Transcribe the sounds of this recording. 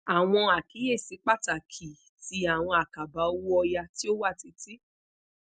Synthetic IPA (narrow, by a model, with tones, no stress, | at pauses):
a˨w̃ɔ̃˧a˨ki˨˦je˦˨si˨˦k͡pa˦˨ta˨kʰi˨ | ti˨˦a˨w̃ɔ̃˧a˨ka˨ba˨˦o˦wu˦ɔ˧ja˧ti˦o˦wa˦˨ti˨˦ti˦